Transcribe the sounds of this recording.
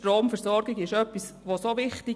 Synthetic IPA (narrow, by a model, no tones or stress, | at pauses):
tɾoːmfɛɾsɔɾɡiɡɪʃœpːisʋosoʋɪχti